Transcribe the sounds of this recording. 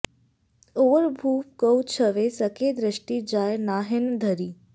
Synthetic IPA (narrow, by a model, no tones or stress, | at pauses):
oʋəɾbʱuːp̚kəwt͡ʃʰəʋesəked̪ɾəʃʈid͡ʒaːjnaːɦend̪ʱəɾiː